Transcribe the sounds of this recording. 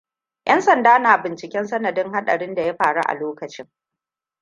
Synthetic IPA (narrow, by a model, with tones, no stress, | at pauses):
jʔɐ˦nsɐ˨ndaː˦naː˨bɪ˨nt͡ʃɪ˨kʲɛ˦nsɐ˦nɐ˨dɪ˦ŋha˦ɗɐ̰˨ɽɪ˦nda˨ja˦ɸaː˨ɽṵ˦ʔa̰˨loː˦kɐ˨t͡ʃɪ˦ŋ